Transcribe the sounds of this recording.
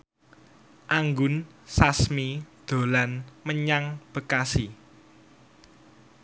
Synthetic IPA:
ʔaŋɡʊnsasmid̪̥o̤lanməɲaŋb̥ə̤kasi

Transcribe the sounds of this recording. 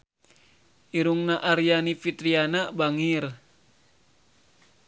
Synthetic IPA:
ʔiɾuŋnaʔaɾijanifit̪ɾianabaŋir

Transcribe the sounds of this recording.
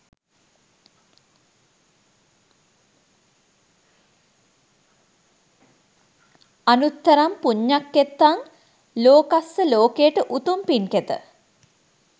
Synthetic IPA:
anut̪ːɐɾampuɲːakːet̪ːaŋ | loːkasːəloːkejəʈəʔut̪umpinket̪ə̰

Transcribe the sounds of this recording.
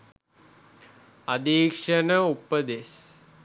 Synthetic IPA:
ɐd̪iːkʂɐnəupəd̪es

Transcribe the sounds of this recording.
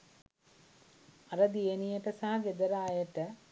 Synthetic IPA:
aɾəd̪ijenijəʈəsaɦaɡed̪əɾaːjəʈə

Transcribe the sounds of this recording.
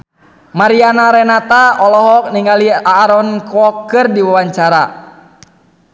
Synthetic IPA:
maɾianaɾɛnat̪aɔlɔɦɔk̚niŋɡaliaːɾɔnkɔkːɨrdiwawaɲt͡ʃaɾa

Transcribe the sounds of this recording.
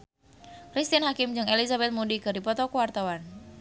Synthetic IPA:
kɾist̪inɦakɪmd͡ʒɨŋelizabɛt̪̚mudikɨrdipɔt̪ɔkuwart̪awan

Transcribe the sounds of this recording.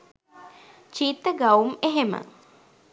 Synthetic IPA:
t͡ʃiːt̪ːəɡɐumeɦemə̰

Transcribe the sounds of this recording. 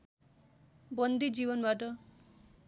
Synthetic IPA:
bʌnd̪id͡ʒiβʌnbaʈʌ

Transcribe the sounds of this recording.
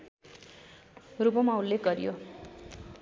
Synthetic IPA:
rupʌmawlːeɡʌɾijo

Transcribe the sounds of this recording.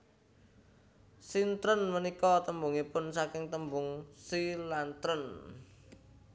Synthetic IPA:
sint̪ɾənmənikɔt̪əmbuŋipʊnsakɪŋt̪əmbʊŋsilant̪ɾən

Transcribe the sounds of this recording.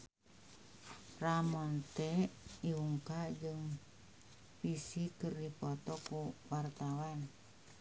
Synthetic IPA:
ramɔnt̪ɛiuŋkad͡ʒɨŋ | pisikɨrdipɔt̪ɔkuwart̪awan

